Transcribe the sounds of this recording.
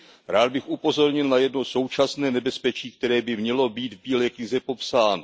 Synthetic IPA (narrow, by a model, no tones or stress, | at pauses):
ɾaːd̪̚bɪxʔupo̞zo̞ɾɲɪlnajɛdno̞so̞wt͡ʃasnɛːnɛbɛspɛt͡ʃiːk̚t̪ɛɾɛːbɪmɲɛlo̞biːt̪vbiːlɛːkɲɪzɛpo̞psaːno